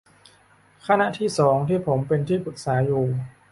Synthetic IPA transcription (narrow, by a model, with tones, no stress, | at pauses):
kʰa˥na˧ʔt̪ʰiː˥˩sɔː˩˦ŋt̪ʰiː˥˩pʰo˩˦mpe˧nt̪ʰiː˥˩pʰu˨˩t̪̚saː˩˦juː˧